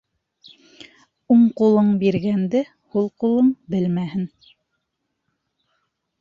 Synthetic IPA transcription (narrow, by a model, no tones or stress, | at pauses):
uɴqulˠɤɴbiɾɡænd̪ɘ | hulˠqulˠɤɴbɘlmæhɘn